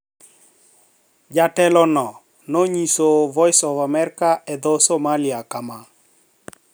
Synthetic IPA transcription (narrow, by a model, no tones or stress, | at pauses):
d͡ʒatɛlɔnɔ | noɲisovɔɪsɔvamɛɾkaʔɛd̪osomaliakama